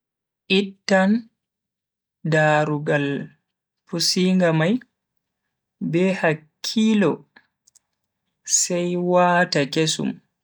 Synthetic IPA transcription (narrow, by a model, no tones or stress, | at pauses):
ʔitːan | daːɾuɡal | pusiŋɡamaj | bɛhakʰːiːlɔ | sɛjwaːtakesṵm